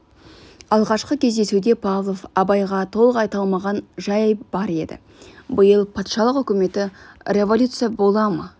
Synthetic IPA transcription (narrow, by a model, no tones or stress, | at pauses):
ɑlˠʁɑʃqəkʲʰe̞zd̪e̞sud̪e̞pʰavlˠo̞fɑbɑjʁɑt̪ʰo̞lˠəqɑjt̪ɑlˠmɑʁɑnʒɑjjb̥ɑɾe̞d̪ɪ̰ | bəjəlˠpʰɑt̪ʃɑlˠəqʏkʲɪme̞t̪ɪrʲe̞volʲut̪sɨjabo̞lˠɑmə